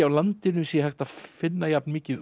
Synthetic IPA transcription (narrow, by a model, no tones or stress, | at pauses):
awlant̪ɪnʏsijɛhajxt̪afɪnːajapnmɪːcɪð